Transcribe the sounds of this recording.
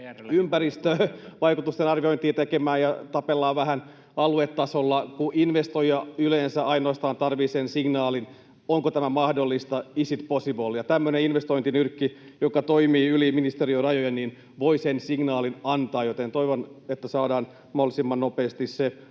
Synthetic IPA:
ympærist̪øʋɑjkut̪ust̪enɑrʋioint̪iːt̪ekemæːjɑt̪ɑpelːɑːʋæhæn | ɑluet̪ːɑsolːɑkuʔinʋest̪ojɑyleːnsæɑinoːst̪ɑːnt̪ɑrʋiːsensiŋnɑːlin | oŋkot̪æmæmɑhdolːist̪ɑisit̪posiʋolːjɑt̪æmːøneinʋest̪oint̪inyrkːijokɑt̪oimiːyliminist̪eriorɑjojennin | ʋoisensiŋnɑːlinɑnt̪ɑːjot̪ent̪oiʋonet̪ːæsɑːdɑːn | mohlisimːɑnnopeːst̪isse

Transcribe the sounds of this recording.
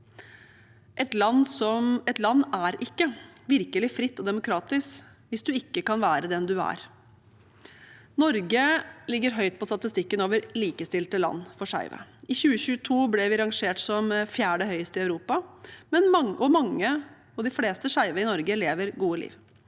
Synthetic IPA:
ʔɛt̪lɑnːsɔmɛt̪lɑnːæɾɪkːəʋɪɾkəlɪfɾɪt̪ːɔd̪ɛmʊkʰɾɑːt̪ɪsk | ʋɪsd̪ʉɪkːəkɑnʋæːɾəd̪ɛnd̪ʉæ̰ɾ | nɔɾɡəlɪɡːəɾɦœʏt̪̚pɔst̪ɑt̪ɪst̪ɪkːənoːʋəɾliːkəst̪ɪlt̪əlɑ̰nːfɔʂæ̰ɪʋə̰ɪçʉːəçʉːət̪ʰuːblɛʋɪɾɑŋʂeːʈsɔmfjæːɖəɦœʏəst̪ɪɑʉɾuːpɑmɛnʔɔmɑŋːə | ɑʋd̪ɪfleːst̪əʂæɪʋəɪnɔɾɡəleːʋəɾɡuːəlḭːʋ

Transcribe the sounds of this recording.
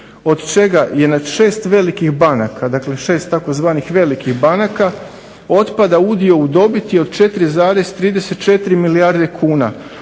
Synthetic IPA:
o̞d̪t͡ʃe̞ɡaje̞nad̪ʃe̞ːst̪ʋe̞likixbanakad̪akle̞ʃe̞ːst̪ːako̞zʋaːnixʋe̞likixbanaka | o̞t̪pad̪aud̪io̞ud̪o̞bit̪jeo̞d̪̥t͡ʃe̞t̪ɾizaːɾe̞zt̪ɾiːd̪e̞se̞t̪t͡ʃe̞t̪ɾimilijaɾd̪e̞kʰuːna̰

